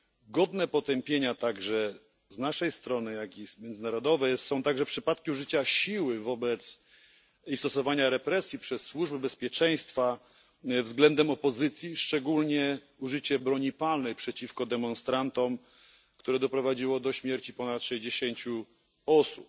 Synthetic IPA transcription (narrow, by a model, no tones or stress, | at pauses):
ɡɔd̪nɛpɔt̪ɛmpʲjeɲat̪aɡʐɛ | znaʂɛjst̪ɾɔnɘjakimʲjɛnd̪zɘnaɾɔd̪ɔvɛjsɔ̃w̃t̪aɡʐɛpʂɘpat̪kʲiuʐɘt͡ɕaɕiwɘvɔbɛt̪s | ist̪ɔsɔvaɲaɾɛpɾɛsʲjipʂɛsːwuʐbɛbɛspʲjɛt͡ʂɛj̃st̪fa | vzɡlɛnd̪ɛmɔpɔzɘt̪sʲjiʂt͡ʂɛɡulɲɛ | uʐɘt͡ɕɛbɾɔɲipalnɛjpʂɛt͡ɕifkɔd̪ɛmɔnst̪ɾant̪ɔm | kt̪uɾɛd̪ɔpɾɔvad͡ʑiwɔd̪ɔɕmʲjɛɾt͡ɕipɔnat̪ʂɛʑd͡ʑeɕeɲt͡ɕu | ɔsup